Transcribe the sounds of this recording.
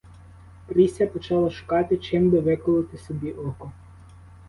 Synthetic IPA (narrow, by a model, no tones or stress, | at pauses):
pɾʲisʲɐpɔt͡ʃɑlˠɐʃʊ̥kɑt̪ɪt͡ʃɪmbɪʋɪkɔlˠɪt̪ɪsɔbʲiʔɔkɔ